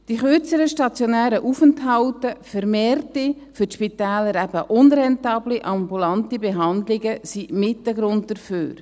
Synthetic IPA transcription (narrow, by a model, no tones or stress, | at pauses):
d̥iχøɾt͡səɾəʃtɑt͡sjonæːɾəʔufəntɦɑwtəfəɾmeːrti | fʏʃpitɛːləɾæb̥əʔʊnɾɛntɑːbliʔɑmbulɑntibeɦɑndlɪɡəsimɪtləɡɾʊnt̚d̥əɾfø̰ːɾ